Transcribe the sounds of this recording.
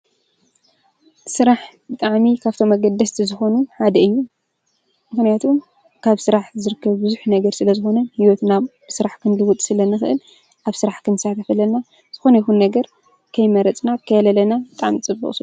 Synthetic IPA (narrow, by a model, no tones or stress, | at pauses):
sɨɾaħbɨt̪ʼaʕmikʰaβt̪ʰo̞mːɐɡɐd̪ːɐst̪ʰizɨxo̞nuħad̪ɐɨjːu | mɨxnijat̪ʰum | kʰaβsɨɾaħzɨɾɨkʰːɐβbɨzuħnɐɡɐɾsɨlɐzɨxo̞nɐhiwɔt̪nabsɨɾaħkʰɨnlɨwut̪ʼsɨlɐnɨxɨʔɨl | ʔaβsɨɾaħkɨnɨsak̪ʰɐfɐlɐna | z̥ɨxo̞nɐjɪxunːɐɡɐɾ | kʰɐjmɐɾɐt͡sʼnakʰɐjɐlɐlɐnabɨt̪ʼaʕmt͡sʼɨbːɨ̰χʼsu